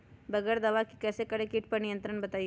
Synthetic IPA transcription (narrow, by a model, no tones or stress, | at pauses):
bɐɡɛːɾd̪ɐʋakikɛːsekəɽekiʈ̚pɐɾnijə̃nt̪ɾəɳbɐt̪aːij